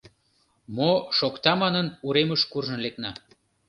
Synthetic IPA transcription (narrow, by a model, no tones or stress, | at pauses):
moʃokt̪ɑmɑnənuɾeməʃkurʒɤ̆nleknɑ